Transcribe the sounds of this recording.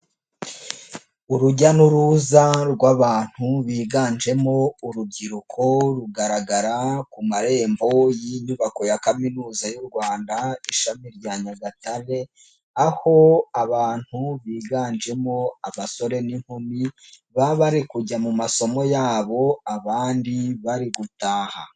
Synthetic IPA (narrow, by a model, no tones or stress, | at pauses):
uɾuɟanuɾuzaɾɡwaβaːn̥huβiːɡaːnd͡ʒe̞mo̞uɾub̚ɟiɾukʰo̞ɾuɡaɾaɡaɾakumaɾe̞ːmbo̞jiɲuβako̞jakaminuːzajuɾɡwaːndaiʃamiɾɟaɲaɡataɾe̞ | aho̞aβaːn̥huβiːɡaːnd͡ʒe̞mo̞aβaso̞ɾe̞niŋ̥humi | βaβaɾikuɟamumaso̞mo̞jaːβo̞aβaːndiβaɾiɡutaːha̰